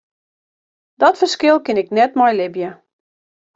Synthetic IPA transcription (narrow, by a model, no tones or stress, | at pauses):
dɔtfərskɪlˠkɪnɪknɛtmɔjlɪbjə